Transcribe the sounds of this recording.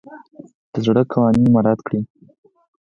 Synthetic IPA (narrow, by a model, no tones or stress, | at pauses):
d̪̥əzɽəkʰawɑnimaɾɑt̪kɽi